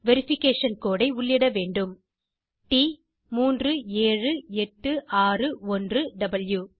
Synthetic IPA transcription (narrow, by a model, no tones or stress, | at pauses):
ʋɛɾɪfɪkːeːʂɐnkoːɽɐɪʊɭːɪɽɐʋeːɳɖɯm | ʈi | muːndrɯeːrɯɛʈːɯʔaːrɯɔndrɯɖɐbɐljuː